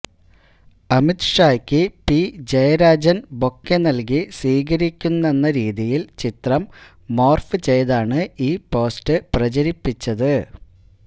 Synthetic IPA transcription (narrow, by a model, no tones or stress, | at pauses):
ɐmit̪ʂaːjkʲːɨpid͡ʑejɐɾaːd͡ʑɐnbo̞kːenɐlk̬iswiːɣɐɾikʲːunːe̞nːɐɾiːðijilt͡ɕit̪rɐmː | o̞ːrfɨt͡ɕe̞jðaːɳɨiːpo̞ːstɨprɐt͡ɕɐɾipːit͡ɕːɐðɨ